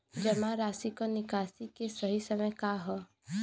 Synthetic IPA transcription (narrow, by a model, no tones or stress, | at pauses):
d͡ʒɛmãɾaːsikonɪkaːsikesəɦisəməjkaɦɔ